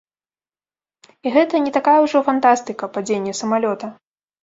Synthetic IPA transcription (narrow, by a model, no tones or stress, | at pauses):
iɣɛt̪ɐnʲɛt̪akajɛwʐɔfant̪ast̪ɨkɐpad͡zʲenʲːɛsɐmalʲɔt̪ɐ